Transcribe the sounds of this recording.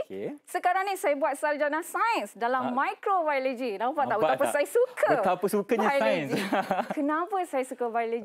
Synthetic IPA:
kesəkaɾaŋnĩsajabuat̪̚saɾd͡ʒanasajənsdalamːãjkɾovajləd͡ʒilãfaʔt̪aut̪apəsajasukʰəət̪apəsukəɲaajend͡ʒikənãpəsajəsukəvajləd͡ʒi

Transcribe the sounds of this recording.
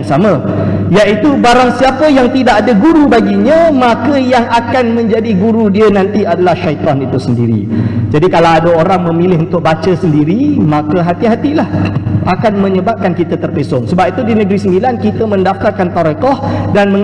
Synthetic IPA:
ŋsamã | jaʔit̪ubaɾaŋsiapəjaŋt̪idaʔadaɡuɾubaɡiɲə̃makəjaŋʔakanmə̃ɲd͡ʒadiɡuɾudiənãnt̪iadalahʃait̪ɔnit̪usəndḭɾḭd͡ʒadikalawadaoɾaŋmə̃milɪɦunt̪ʊk̚bat͡ʃəsəndiɾimãkəɦat̪iɦat̪ilahʔakanmə̃ɲəbap̚kankit̪at̪ərpesɔŋsəbap̚it̪udinəɡɾisəmbilankit̪əmə̃ndaft̪arkant̪aɾekɔhdanmə̃ŋ

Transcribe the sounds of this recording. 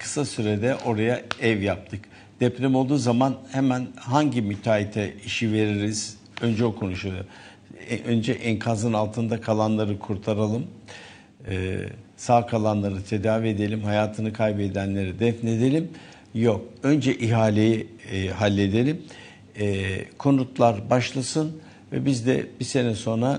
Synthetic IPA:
kʰɯ̥sasyɾed̪ɛʔo̞ɾajaɛvjap̚t̪ʰɯk | d̪̥ɛplʲɛmo̞lˠd̪uːzamanhemænɦaɲɟimyt̪ʰaːit̪ʰɛiʃive̞ɾiɾiz̥ | ø̞nd͡ʒɛokʰo̞nuʃujod̪u | ønd͡ʒɛʔɛŋkʰanzɯnalˠt̪ʰɯnd̪akʰalˠanlˠaɾɯkʰuɾt̪ʰaɾalˠɯm̰ | saːkʰalˠanlˠaɾɯt̪ʰe̞d̪aːvied̪e̞lʲimhajaːt̪ʰɯnɯkʰajbed̪ænlʲe̞ɾid̪ɛfne̞d̪e̞lʲim | jo̞kø̞nd͡ʒɛʔiɦaːlʲejiɦalʲːe̞d̪e̞lʲimː | kʰo̞nut̪lˠaɾbaʃlˠasɯn | vɛ̰bizd̪ɛ̰b̥ise̞nɛso̞nɾa

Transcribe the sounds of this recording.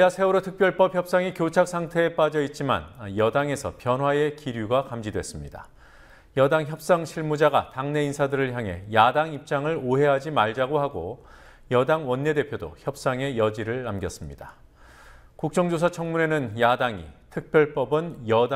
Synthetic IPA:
asʰe̞uɾotʰɯk̚p͈jʌɭp͈ʌpçjʌp̚s͈aŋikjot͡ɕʰak̚s͈ʰaŋtʰe̞ːp͈ad͡ʑʌit̚t͡ɕ͈ima̰njʌdaŋe̞sʰʌ̰pjʌnɦwae̞kiɾjuɡakamd͡ʑidwe̞s͈ɯmɲida | jʌdaŋçjʌp̚s͈aŋɕʰiɭmud͡ʑaɡataŋne̞insʰadɯɾɯɭçjaŋɦe̞̰jadaŋip̚t͡ɕ͈aŋɯɭoɦe̞ɦad͡ʑimaɭd͡ʑaɡoɦaɡo̰ | jʌdaŋwʌnːe̞de̞pʰjodo̰çjʌp̚s͈aŋe̞jʌd͡ʑiɾɯɭːamɡjʌs͈ɯmɲida̰ | kuk̚t͡ɕ͈ʌŋd͡ʑosʰʌt͡ɕʰʌŋmune̞nɯnjadaŋḭtʰɯk̚p͈jʌɭp͈ʌbɯnjʌd

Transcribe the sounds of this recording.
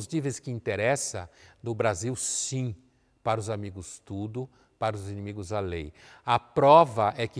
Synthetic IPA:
znivẽjskɪĩt̪eɾɛsɐ̰d̪ʊbɾaziwsĩ | paɾɐʊzamiɡʊst̪ud̪ʊ | paɾɐʊzinĩmiɡʊzalejɐpɾɔvɐʔɛkɪ

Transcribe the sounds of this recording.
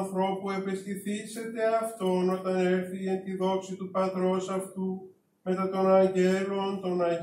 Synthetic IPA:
θɾo̞pue̞pe̞sθiθise̞t̪e̞ɐft̪o̞no̞t̪ɐne̞ɾθient̪iðo̞ksit̪upɐt̪ɾo̞sɐft̪u | me̞t̪ɐt̪o̞nɐɲɟe̞lo̞nt̪o̞nɐ

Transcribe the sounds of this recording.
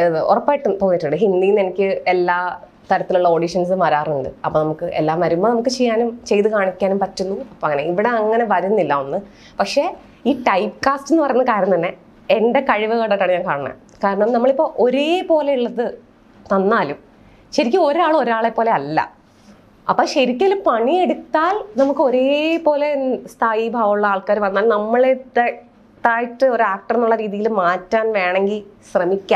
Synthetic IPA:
ɔ̰rɐpːaːjiʈːɨpoːɲːiʈːuɳɖɨɦind̪iːnenikʲːɨelːaː | t̪ɐɾɐt̪ːiluɭːɐoːɽiʂɐns̬ɨmɐːɾaːruɳɖɨ̰ɐpːoːnɐmukːɨʔelːaːmɐɾumːɐnɐmukːɨt͡ɕejːaːnumt͡ɕe̞jt̪ɨkaːɳikʲːaːnumpɐtːunːuɐpːoːɐŋːɐne̞iʋiɽe̞ɐŋːɐne̞ʋɐɾunːilːɐonːɨ | pɐkʂe̞ː | iːʈɐjpkaːstenːɨpɐrɐjunːɐkaːɾɐmnt̪ɐnːe̞ | enɖe̞kɐɻiʋɨɣɐːʈːɐʈːaːɳɨɲaːŋkaːɳɐɳɐ̰ | kaːɾɐɳɐmnɐmːɐɭipːo̞ːʔoɾeːpo̞ːle̞iɭːɐðɨ | t̪ɐnːaːlum | ɕɐɾikʲːɨo̞ɾaːɭo̞ɾaːɭe̞pːo̞ːle̞ɐlːɐ̰ | ɐpːoːɕeɾikʲːɐlpɐɳieɽut̪ːaːlnɐmukːɨo̞ɾepo̞ːle̞st̪ʰaːjibʱaːʋɐuɭːɐaːɭkaːɾumʋɐnːaːlnɐmːɐɭet̪e | t̪ːaːjiʈːɨoɾaːk̚ʈɐrenːuɭːɐɾiːðijilmaːtːaːnʋe̞ːɳeŋɡilɕrɐmikʲːa

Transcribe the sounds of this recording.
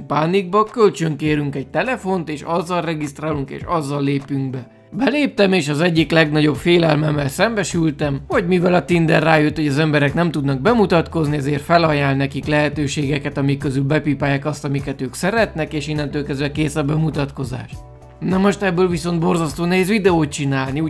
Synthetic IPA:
paːniɡ̚bɒkølt͡ʃøŋkeːɾyŋkɛɟ̚t̪ɛlɛfo̞nt̪eːʃɒzːɒlrɛɡist̪raːluŋkḛːʃɒzːɒlːeːpyŋk̚bɛ | bɛleːp̚t̪ɛmeːʃɒzɛɟːiklɛɡnɒɟo̞bfeːlɛlmɛmːɛlsɛmbɛʃylt̪ɛmhoɟmivɛlɒt̪ind̪ɛrːaːjøt̪ho̞ɟɒzɛmbɛɾɛknɛmt̪ud̪nɒɡ̚bɛmut̪ɒt̪ko̞zniɛzeːrt̪fɛlɒjaːnnnɛkiklɛɦɛt̪øːʃeːɡɛkɛt̪ɒmikːøzylbɛpiːpaːjaːkɒst̪ɒmikɛt̪øːksɛɾɛt̪nɛkeːʃinːɛnt̪ølkɛzʋɛkeːsɒbɛmut̪ɒt̪ko̞za̰ːʃt̪ | nɛmo̞ʃt̪ɛbːøːlviso̞nd̪̚bo̞rzɒst̪oːnɛɦeːzʋid̪ɛoːt̪̚t͡ʃinaːlniuː

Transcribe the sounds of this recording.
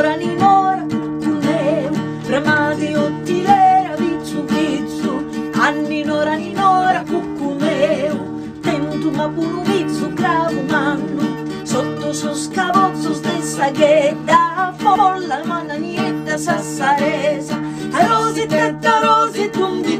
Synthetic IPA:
ɾaninɔɾakukːumɛu | ɾemaziot̪ːiðɛɾavit̪sːuvit̪sːuanːinɔɾaninɔɾakukːumɛu | t̪ɛnt̪umakunuvit̪sːuɡɾaːvumanːu | sot̪ːʊsoskavɔt̪sːʊzd̪esːaɡɛd̪afɔlːamanːanɛd̪asasːaɾɛza | aɾɔzit̪at̪ːaɾɔzid̪und̪i

